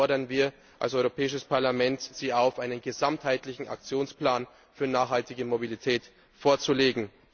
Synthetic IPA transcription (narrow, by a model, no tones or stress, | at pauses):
ɔɐɾɐnviːɐ | ʔa̰lsʔɔʏʁopʰɛːɪʃəspaɐlamɛntz̥iːaʊfʔaɪnənɡəzamthaɪtlɪçn̩a̰k̚t͡sjoːnspl̥aːn | fyːɐnaːχhaltɪɡəmobilitʰɛːt | foːɐt͡suleːɡŋ̩